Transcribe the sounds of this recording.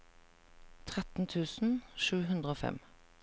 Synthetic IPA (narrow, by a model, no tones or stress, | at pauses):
t̪ʰʁɛt̪n̩t̪ʰʉːsn̩ʃʉːhʉnd̪ʁəoːfɛ̰m